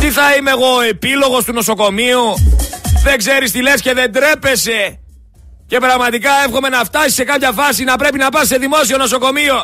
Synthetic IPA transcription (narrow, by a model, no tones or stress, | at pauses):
t̪iθɐimeɣo̞e̞pilo̞ɣo̞st̪uno̞so̞ko̞miu | ðe̞ɡze̞ɾist̪ile̞sce̞ðe̞nd̪ɾe̞pe̞se̞ | ce̞pɾɐɣmɐt̪ikɐe̞fxo̞me̞nɐft̪ɐsi̥se̞kɐpçɐfɐsinɐpɾe̞pinɐpɐsse̞ðimo̞sio̞no̞so̞ko̞mio̞